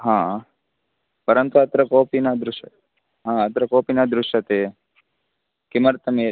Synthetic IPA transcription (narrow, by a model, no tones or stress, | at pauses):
ɦãː | pɐɾənt̪uɐt̪ɾəkoːpinad̪ɾʊʃ | ɦãːɐt̪ɾəkoːpinad̪ɾʊʃɐt̪e | kɪməɾt̪ɐme